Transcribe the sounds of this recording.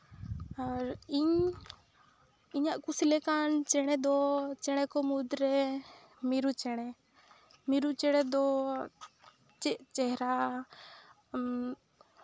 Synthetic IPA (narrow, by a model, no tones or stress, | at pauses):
aɾiɲ | iɲaʔkusilɛkant͡ʃɛɽ̃ɛd̪ɔt͡ʃɛɽ̃ɛkɔmud̪ɾɛ | miɾut͡ʃɛɽ̃ɛ | miɾut͡ʃɛɽ̃ɛd̪ɔ | t͡ʃɛʔt͡ʃɛɦɾa